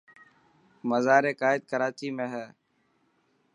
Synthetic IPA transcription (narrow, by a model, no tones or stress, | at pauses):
məzaːɾeːkaːɪd̪̚kəɾaːt͡ʃiːmẽːɦɛː